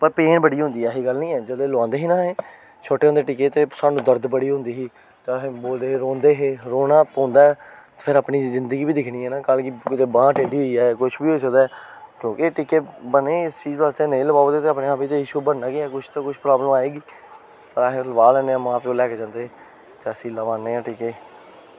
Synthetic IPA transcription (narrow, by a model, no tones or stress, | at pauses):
pəɾpeːnbəɽiːɦõnd̪iːɛɦiːɡəlnĩːɛːd͡ʒəd̪eːlãːnd̪eːɦiːnãːɦeː | t͡ʃʰoːʈeːɦõnd̪eːʈɪkeːt̪eːsaːnũːd̪əɾd̪bəɽiːɦʊ̃nd̪iːɦiː | t̪eɦboːld̪eːɦːɾoːnd̪eːɦeːɾoːnãːpɔ̃ːnd̪aːɦɛːt̪ːpʰɪɾaːpɳiːzɪnd̪əɡiːbiːd̪ɪkʰɽiːɦɛːnaːkəlkɪkɪt̪eːbãːʈeːɖiːɦoiːaːɛːkʊt͡ʃʰbiːɦosəkd̪aɛːkjõːkɪʈiːkeːbəneːɪst͡ʃiːd̪ʋaːst̪eːneːləbaːt̪eːt̪eaːpneːaːpiːt̪eɪʃuːbənːãːkɪɛːkʊt͡ʃʰt̪oːkʊt͡ʃʰpɾaːbləmaːeːɡiː | pəɾaːɦẽləbaːlɛːneːãːmãːpd͡ʒõːlɛːkːd͡ʒãːnd̪eː | t̪eəsĩːləʋaːnːeːãːʈiːkeː